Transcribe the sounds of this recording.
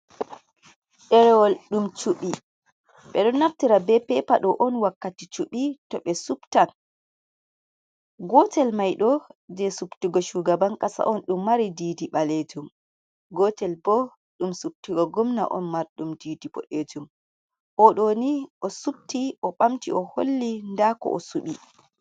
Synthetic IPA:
ɗɛɾɛwɔlɗumt͡ʃuɓi | ɓɛɗɔnːaftiɾabɛpɛpaɗɔʔɔnwakːatit͡ʃuɓitɔɓɛsuptan | ɡɔtɛlmajɗɔd͡ʒɛsuptiɡɔʃuɡabaŋkasa̰ʔɔnɗumːaɾidiːdiɓaled͡ʒum | ɡɔtɛlbɔ | ɗumsup̚tiɡɔɡɔmna̰ʔɔ̰nmaɾɗumdiːdibɔ̰ɗed͡ʒum | ʔɔɗoniʔɔsup̚tiʔɔɓamtiɔholːindakɔ̰ʔɔ̰suɓi

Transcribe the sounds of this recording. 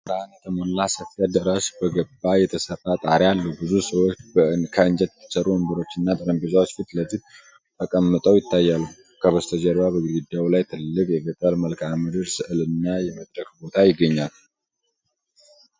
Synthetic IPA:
sɾanət̪ʰəməlːasəfad̪əɾaʃbəɡəbːajɛt̪ʰəsəɾat̪ʼaɾialːəhubɨzusəwo̞t͡ʃːkʰəɨnd͡ʒɛt̪t̪ʰːɨ̥t͡ʃːəɾʔuəmbəɾo̞t͡ʃːɨnːat̪ʼɨɾəmbizawot͡ʃːfit̪ləzit̪ | t̪ʰəkʼəmːɨt̪ʼəwjɪt̪ːajːalu | kʰəβəst̪ʰəd͡ʒəɾbabəɡud̪ɡɨd̪awlajt̪ʰɨlːɨkʼjɛɡət̪ʼəlməlkʰamɨd̪ɨɾsɨʔɨlɨnːajɛməd̪ɾəkbo̞t̪ʰajɪɡːəɲːal

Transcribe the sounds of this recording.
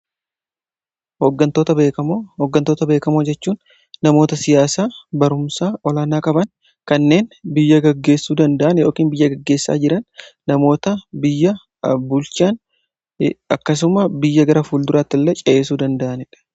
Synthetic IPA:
hoɡɐnt̪oːt̪ɐbeːkɐoɔɡːɐnt̪o̞ːt̪ɐbe̞ːkɐmoːd͡ʒɛt͡ʃːuːnː | ɐmo̞ːt̪ɐsɪjaːsaːbɐɾʊmsaːʔɔlaːnaːkʼɐbɐn | kɐnːe̞ːnbɪjːɐɡɐɡːe̞ːsːuːd̪ɐnd̪ɐʔɐnjo̞ːkiːnbɪjːɐɡɐɡːe̞ːsːa̰ːd͡ʒɪɾɐnːɐmo̞ːt̪ɐbɪjːɐ | bʊlt͡ʃaːn | ɐkːɐs̬ʊmɐbɪjːɐɡɐɾɐfuːld̪ʊɾaːt̪ːɪlːɛt͡ʃʼɐʔeːsuːd̪ɐnd̪ɐʔɐnɛᶑɐ̥

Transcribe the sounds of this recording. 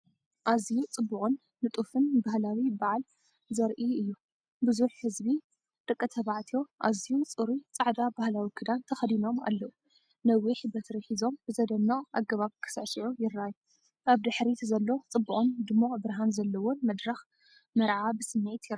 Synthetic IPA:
ʔazijut͡sʼɨbːuqʼɨnːɨt̪ʼufɨnbahlawibaʕal | zɐɾʔiɨjːu | bɨzuħːɨzbi | d̪ʼɨkʼːɐt̪ʰɐβaʕt̪ʰijo̞ʔazijut͡sʼɨɾut͡sʼaʕd̪abahlawikʰɨd̪ant̪ʰɐxɐd̪ino̞ma̰lːɐʔu | nɐwiħbɐt̪ʰɾɐħizo̞mbɨzɐd̪ɐnːɐχʼʔaɡɐβaβkʰɨ̥sɐʕsiʕujɪraju | ʔaβd̪ɨħɾit̪zɐlːo̞t͡sʼɨbːuʔʼɨnd̪ɨmːoʔʼbɨɾɦanzɐlːɐwomɐd̪ɾɐx | mɐɾʕabɨsɨmːet̪jɪɾa

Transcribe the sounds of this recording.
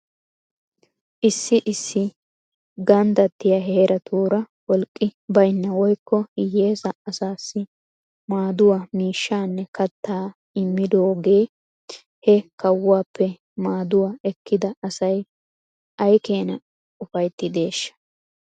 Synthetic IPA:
ʔɪsːɪʔɪsːɪ | ɡɐnd̪ɐt̪ːɪjɐɦeːɾɐt̪ʰuːɾɐ | wɔlkʼːɪbɐjnːɐwɔjkːɔhɪjːe̞ːzɐːsaːsːɪ | maːd̪ʊwamiːʃːaːnːɛkɐt̪ːaː | ɪmːɪd̪o̞ːɡe̞ː | hɛkɐwːaːpːɛ | maːd̪ʊwaɛkːɪd̪ɐɐsɐj | ʔɐjke̞ːnɐ | ʊfɐjt̪ːɪd̪e̞ːʃːɐ̥

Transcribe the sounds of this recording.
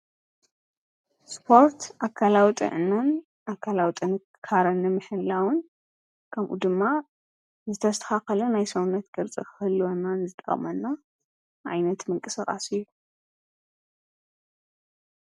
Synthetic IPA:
spʰo̞ɾt̪ʰʔakʰːalawit̪ʼɨ̰ʕɨnɐn | ʔakʰːalawit̪ʼɨn | kʰaɾɐnːɨmɨħɨlawɨn | kʰɐmʔṵd̪ɨmːa | zɨt̪ʰɐst̪ʰɐxaxɐlunajsɐwunːɐt̪ɡɨɾt͡sʼikʰɨ̥hɨlːɨwonːanzɨt̪ʼɐ̰χʼmɐnːa | ʕa̰jnɐt̪mɨŋkʼɨsakʼa̰sɨjːu

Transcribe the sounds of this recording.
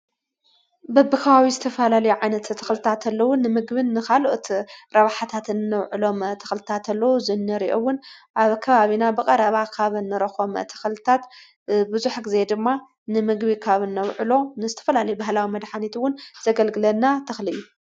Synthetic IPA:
bɐbːɨkʰɐβawizɨt̪ʰɐfɐlalɐjuʕajnɐt̪t̪ʰːɐxlɨt̪ʰat̪ʰɐlːɐwʊnːɨmɨɡbɨnːɨkaloʔot̪ɾɐβaħat̪ʰat̪ɨnnːɐwʕɨlo̞mt̪ʰɐ̥xlɨt̪ʰat̪ʰɐlːɐwuzɨnːɨɾiʔowʊnʔaβkʰɐβaβinabɨkʼɐɾɐβakʰaβɨnːɨɾɐxomt̪ʰɐ̥xlɨt̪ʰat̪ | bɨzuħɡɨze̞d̪ɨmːa | nɨmɨɡbikʰaβɨnːɐwʕɨlo̞nɨzɨt̪ʰɐfɐlalɐjubahlawimɐd̪ħanit̪wʊnz̥ɐɡɐlɡɨlɐnːat̪ʰɐxlɨlu

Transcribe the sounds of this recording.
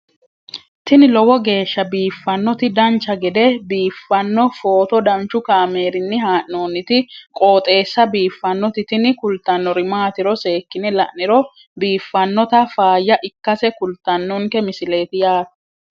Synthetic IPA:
t̪ɪnɪlɔwɔɡe̞ːʃːɐbiːfːɐnːɔt̪ɪd̪ɐnt͡ʃːɐɡɛd̪ɛbiːfːɐnːɔfo̞ːt̪ɔd̪ɐnt͡ʃːʊkaːmeːɾɪnːɪɦaːʔnoːnːɪt̪ɪkʼo̞ːt̪ʼe̞ːsːɐbiːfːɐnːɔt̪ɪt̪ɪnɪkʊlt̪ːɐnːɔɾɪmaːt̪ɪɾɔse̞ːkːɪnɪlɐʔnɪɾɔ | biːfːɐnːɔt̪ɐfaːjːɐʔɪkːɐsɛkʊlt̪ːɐnːɔŋkɛmɪsɪle̞ːt̪ɪjaːt̪ɐ̥

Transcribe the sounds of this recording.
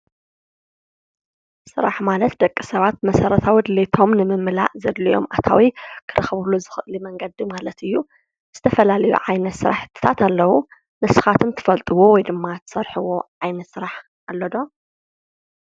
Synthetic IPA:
sɨɾaħmalɐt̪̚d̪ɐkʼːisɐβat̪̚mɐsɐɾɐt̪ʰawid̪ɨlet̪ʰo̞mnɨmɨmːɨla̰ʔzɐd̪lijo̞̰mʔat̪ʰawikʰɨɾʔɨxβuluzɨxɨʔlimɐŋɡɐd̪imalɐt̪ɨjːu | z̥ɨt̪ʰɐfɐlalɐjṵʕajnɐt̪sɨɾa̰ħt̪ʰːɨ̥t̪ʰat̪ʰalːɐwu | nɨsɨxat̪ʰɨmt̪ʰɨ̥fɐlt̪ʼɨwowɔjd̪ɨmːat̪ʰɨ̥sɐɾħɨwo̞ʕajnɐt̪sɨɾaħ | alːɐd̪o

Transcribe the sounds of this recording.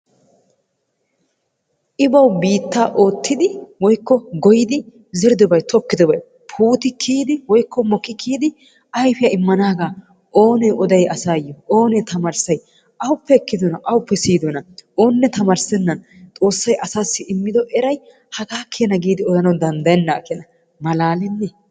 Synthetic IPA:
ʔɪbɐwbiːt̪ːaːʔo̞ːt̪ʰːɪd̪ɪwɔjkːɔɡɔjɪd̪ɪ | zɪɾd̪ɔbɐjt̪ʰɔkːɪd̪ɔbɐj | pʰuːt̪ɪkʰːiːd̪ɪwɔjkːɔmɔkʼːɪkʰːiːd̪ɪ | ʔɐjfɪjɐɪmːɐnaːɡaː | o̞ːnɛʔɔd̪ɐjɐsaːjɔʔoːnɛt̪ɐmaːɾsɐj | ɐwʊpːɛɛkːɪd̪ɔnɐʔɐwʊpːɛsiːd̪ɔnɐo̞ːnːɛt̪ɐmaːɾsɛnːɐn | t̪ʼo̞ːsːɐjʔɐsaːsːɪɪmːɪd̪ɔʔɛɾɐj | hɐɡaːkʰːɪjɐnɐɡiːd̪ɪɔd̪ɐnɐwd̪ɐnd̪ɐjɛnːaːkːɛnɐ | mɐlaːlɛnːɛ

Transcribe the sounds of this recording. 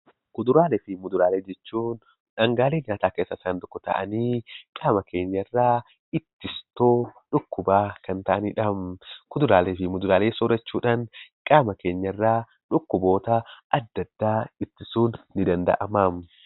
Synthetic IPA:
kʊd̪ʊɾaːlɛfɪmʊd̪ʊɾaːleːd͡ʒɛt͡ʃːuːn | ᶑɐŋɡaːleːnɲaːt̪aːkeːsːɐsaːnd̪ʊkːɔt̪ɐ̰ʔɐ̰niːkʼaːmɐke̞ːɲːɐrːaː | ɪt̪ːɪst̪oːᶑʊkːʊbaːkɐnt̪ɐʔɐniᶑɐmkʊd̪ʊɾaːlefɪmʊd̪ʊɾaːleːsɔɾɛt͡ʃːuːᶑaːnkʼaːmɐke̞ːɲːɐrːaː | ᶑʊkːʊbo̞ːt̪ɐɐd̪ːɐd̪ːaːɪt̪ːɪsuːnːɪd̪ɐnd̪ɐ̰ʔɐmaːm

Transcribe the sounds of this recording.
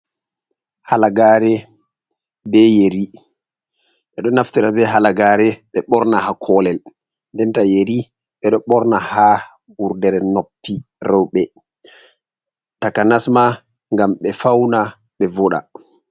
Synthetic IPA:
halaɡaɾɛ | bɛjeɾi | ɓɛɗɔnaftiɾabɛɦalaɡaɾɛɓɛɓɔɾnahakʰɔlɛl | ndɛntajeɾi | ɓɛɗɔɓɔɾnaha | wuɾdɛɾɛnopːiɾɔwɓɛ | takanasma | ŋɡamɓɛfawna | ɓɛvɔɗa̰

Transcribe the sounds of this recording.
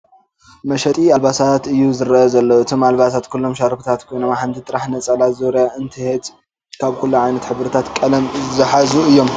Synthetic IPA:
mɐʃɐt̪ʼialbasat̪ɨjːuzɨɾɐʔɐzɐlːɐɨt̪ʰomalβasat̪kʰulːo̞mʃaɾfut̪ʰat̪kʰo̞jno̞maħant̪ʰit̪ʼɨɾaħnɐt͡sʼɐlazoɾjaʔɨnt̪ʰɨhet̪ | kʰaβkʰulːuʕajnɐt̪ħɨβɾɨt̪ʰat̪kʼɐlɐmzɨħazuɨjːo̞m

